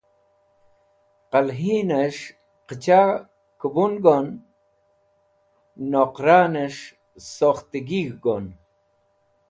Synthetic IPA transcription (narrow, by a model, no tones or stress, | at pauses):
qalɦineʂ | qət͡ɕa | kəbunɡon | oqɾaneʂ | soχt̪iɡiɣɡon